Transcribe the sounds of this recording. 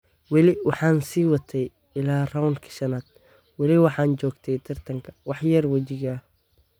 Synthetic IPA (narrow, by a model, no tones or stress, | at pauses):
wɑlɪwɑħɑːnsiːwɐt̪ʰɛj | ɪlaːrɐwnkʰɐ̥ʃɐnaːd̪̥̚ | wɑlɪwɑħɑːnt͡ʃɔːɡt̪ʰɛjt̪ʰɐrt̪ʰɐŋkʰɐ̥wɑħjɐrwɐt͡ʃɪɣɐ